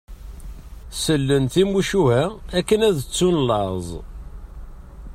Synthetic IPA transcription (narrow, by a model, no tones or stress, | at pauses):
səlːənt̪imuʃuhæækːənæðət͡sːunlɑzˤ